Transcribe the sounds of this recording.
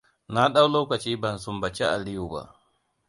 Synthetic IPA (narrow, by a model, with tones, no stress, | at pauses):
na˦ɗa˦wloː˦ka˨t͡ʃiː˦ba˨nsu˦mba˨t͡ʃɛ˦ʔa̰˨li˦ju˨ba̰˨ʔ